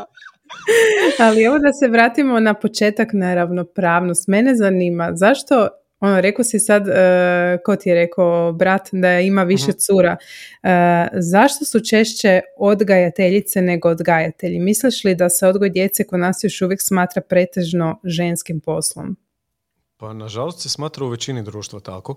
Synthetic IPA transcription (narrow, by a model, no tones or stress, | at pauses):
alie̞ʋod̪ase̞ʋɾaːt̪imo̞napo̞t͡ʃe̞ːt̪aknaɾaʋno̞pɾaːʋnost̪me̞ne̞zaniːmazaʃt̪o̞ | o̞noɾe̞kosisad̪ | kot̪ieɾe̞koobɾat̪d̪aimaʋiʃet̪suːɾa | zaʃt̪o̞sut͡ʃe̞ʃt͡ɕe̞od̪ɡajat̪e̞ʎit̪sene̞ɡo̞od̪ɡajat̪e̞ʎimisliʃlid̪aseo̞d̪ɡojed̪je̞t̪sekonaːsjo̞ʃuʋjeksmaːt̪ɾapɾe̞t̪e̞ʒno̞ʒe̞nskimpo̞slˠo̰m | panaʒalˠost̪sesmaːt̪ɾauʋet͡ɕinid̪ɾuːʃt̪ʋat̪a̰ko